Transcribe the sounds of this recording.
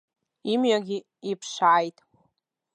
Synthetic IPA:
imɥaɡʲi | ipʰʂaːjtʼ

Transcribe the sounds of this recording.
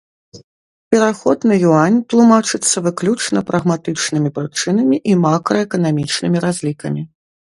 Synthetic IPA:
pʲɛɾaxɔd̪nɐjuanʲt̪lˠumat͡ʂɨt̪sːɐvɨklʲut͡ʂnɐpɾʔɐɣmat̪ɨt͡ʂnɨmʲipɾɨt͡ʂɨnɐmʲiʔimakɾɔɛkɐnamʲit͡ʂnɨmʲiɾazʲlʲikɐmʲi

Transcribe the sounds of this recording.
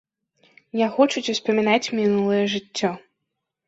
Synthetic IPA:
jaxɔt͡ʂut͡sʲuspɐmʲinat͡sʲmʲinulˠɐjɐʐɨt͡sʲːɔ

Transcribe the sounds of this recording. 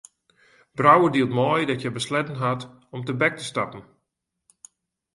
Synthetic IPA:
b̥rawədilˠtmɔjdɔtjəbəslɛtn̩ɦat | ɔmtəbɛk̚təstapn̩

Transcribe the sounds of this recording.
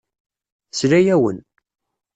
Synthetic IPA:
slæjæwə̰n

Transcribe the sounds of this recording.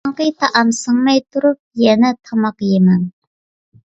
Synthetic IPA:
ŋqəjt̪ʰɑʔɑmsəŋmɛjt̪ʰuɾup̚jɛnɛt̪ʰɑmɑqjemɛŋ

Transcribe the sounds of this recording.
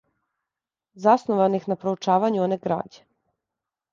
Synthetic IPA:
zasnoʋanixnapɾout͡ʃaːʋaɲuoneɡɾa̰ːd͡ʑe

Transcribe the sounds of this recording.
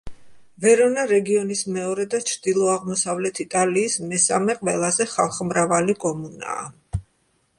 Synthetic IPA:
vɛɾɔnaɾɛɡiɔnismɛɔɾɛd̪at͡ʃʰɾd̪ilˠɔaʁmɔsavlɛt̪ʰit̪ʼaliːsmɛsa̰mɛqʼvɛlˠazɛχalˠχmɾavalikʼɔmuna̰ː

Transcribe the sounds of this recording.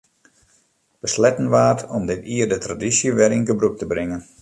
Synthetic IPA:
b̥əslɛtən̩ʋaːtʰɔmdɪtiːərdətradisjəʋɛɾinɡəbruk̚təbrɪŋən

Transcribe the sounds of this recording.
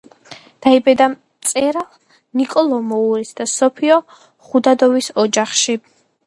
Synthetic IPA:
d̪̥aibɛd̪a | t̪sʼɛɾalˠ | nikʼɔlˠɔmɔuɾisd̪asɔpʰiɔ | χud̪ad̪ɔvisɔd͡ʒaχʃi

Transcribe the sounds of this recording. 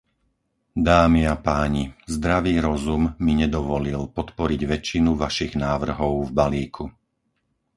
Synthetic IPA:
d̪aːmiapaːɲizd̪ɾaʋiːɾɔzumːiɲɛd̪ɔʋɔlilpɔt̪pɔɾiɟʋɛt͡ʃːinuʋaʃiɣnaːʋr̩ɦɔʊvbaliːkʰu

